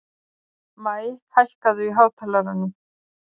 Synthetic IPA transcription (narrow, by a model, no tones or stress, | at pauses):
maːjhajhkaðʏiɦaːwt̪ʰalaɾanːʏ